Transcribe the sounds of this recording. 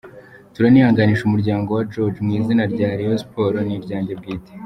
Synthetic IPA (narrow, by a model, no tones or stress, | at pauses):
tuɾanihaŋɡaniːʃumuɾɟaːŋɡo̞wad͡ʒod͡ʒmŋiːzinaɾɟaːɾiospo̞ɾoniɾɟaːɲɟebɡiːte̥